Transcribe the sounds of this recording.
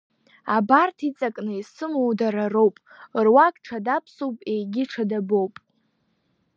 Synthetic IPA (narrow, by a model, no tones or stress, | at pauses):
abartʰit͡sʼakʼnɨisɨmowdaɾaro̞wpʼ | rwakʼʈ͡ʂʰadapʰsowpʼejɡʲɪʈ͡ʂʰadabowpʼ